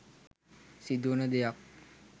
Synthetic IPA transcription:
sid̪unəd̪ejak̚

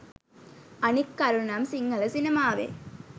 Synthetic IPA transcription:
ɐnikːaɾunamsiŋɡɐlɐsinɐmaːʋḛː

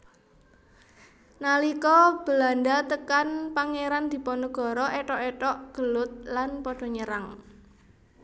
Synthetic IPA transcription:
nalikɔb̥ə̤landat̪əkanpaŋeɾand̪̥i̤pɔnuɡ̥ɔ̤ɾɔʔeʈɔʔeʈɔʔɡ̥ə̤lʊt̪̚lanpɔɖ̥ɔ̤ɲəɾaŋ

